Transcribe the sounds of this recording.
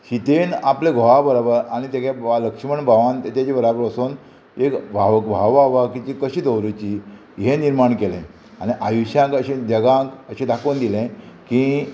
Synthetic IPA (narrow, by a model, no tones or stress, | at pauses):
ɕit̪enaplẽɡʱoɦabəɾabəɾañit̪jakjaaləkʂməɳbʱaʋãnt̪at͡ɕat͡ɕibəɾabəɾəson | ekbʱaʋkbʱaʋaʋakit͡ɕikəɕiːd̪əwɾut͡ɕi | ɦeniɾmaɳkelɛ̰̃ | añiʔajuɕjãŋkəɕẽd͡ʑəɡãŋkəɕẽd̪ʱakond̪ilẽkĩ